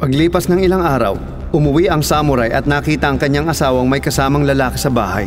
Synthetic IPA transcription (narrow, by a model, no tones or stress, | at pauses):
pɐɡliːpɐsnɐŋɪlaŋʔaːɾɐ̰w | ʔʊmʊwiʔɐŋsaːmʊɾajʔɐ̰t̪̚nɐkiːt̪ɐʔɐŋkɐɲːaŋɐsaːwɐŋmɐjkɐsaːmɐŋlɐlaːkɪsɐba̰ːha̰j